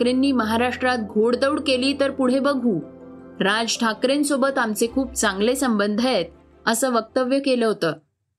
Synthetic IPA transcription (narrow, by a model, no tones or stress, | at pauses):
kɾenːiːməɦaɾaʂʈɾat̪̚ɡʱoɽd̪əwɽkeliːt̪əɾpuɽ̤ebəɡʱuː | ɾad͡zʈʰakɾensobət̪amt͡sekʰuːp̚t͡saŋɡlesəmbənd̪ʱəet̪̚ | əsəːʋək̚t̪əʋjəkeləɦot̪əː